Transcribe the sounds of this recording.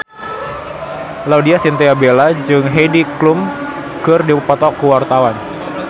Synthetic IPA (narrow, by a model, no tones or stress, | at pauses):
laudiasint̪eabelad͡ʒɨŋɦediklum | kɨrdipɔt̪ɔkuwart̪awan